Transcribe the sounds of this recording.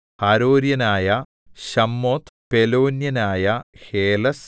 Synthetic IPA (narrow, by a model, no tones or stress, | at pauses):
hɐɾoːɾjɐnaːjɐ | ɕɐmːoːt̪peloːnjɐnaːjɐheːlɐs